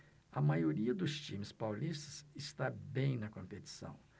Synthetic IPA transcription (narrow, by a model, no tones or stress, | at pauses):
ɐmajoɾiɐd̪ʊst͡ʃĩmɪspawlist̪ɐzɪst̪abẽj̃nɐkõmpet͡ʃ̪i̥sɐ̰̃w̃